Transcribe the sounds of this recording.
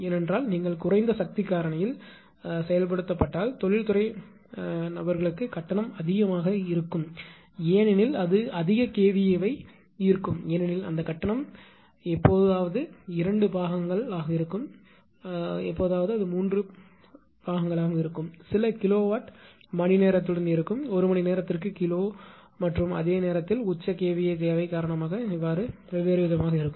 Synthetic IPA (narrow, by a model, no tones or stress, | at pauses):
eːnɛndraːlniːŋɡɐɭkʊrɐɪnd̪ɐsɐk̚t̪ɪkːaːɾɐɳɐjɪl | sɛjɐlp̬ɐɽɯt̪ːɐpːɐʈːaːlt̪ɔɭɪlt̪ʊrɐɪ | nɐbɐɾɣɐɭɯkːɯkɐʈːɐɳɐmɐðɪɣɐmaːɣɐɪɾɯkːɯm | eːnɛnɪlɐðɯɐðɪɣɐkeːʋɪjɐʋɐɪ | ɪɾɯkːɯmeːnɛnɪlɐ̰nd̪ɐkɐʈːɐɳɐm | ɛpːoːðaːʋɐðɯɪɾɐɳɖɯbaːɣɐŋɡɐɭaːɣɐɪɾɯkːɯm | ɛpːoːðaːʋɐðɯɐðɯmuːndrɯ | b̥aːɣɐŋɡɐɭaːɣɐɪɾɯkːɯmsɪlɐkɪloːʋaːʈ | mɐɳɪneːɾɐt̪ːɯɽɐnd̪iɪɾɯkːɯmɔɾɯmɐɳineːɾɐt̪ːɪrkɯkɪloː | mɐʈrɯmɐ̰ðeːɐneːɾɐt̪ːɪlʊt͡ʃːɐkeːʋɪjɐk̬ejɐʋɐɪkaːɾɐɳɐmaːɣɐɪʋːaːɾɯ | ʋɛʋeːɾɪʋɪðɐmaːɣɐɪɾɯkːɯm